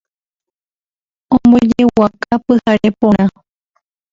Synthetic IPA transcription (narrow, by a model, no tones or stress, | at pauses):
õmbod͡ʒewakapɨhaɾepõɾ̃ã